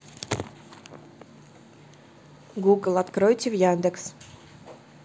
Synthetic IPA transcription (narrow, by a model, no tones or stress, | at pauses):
ɡuɡəlˠat̪kɾojt̪ʲivjand̪eks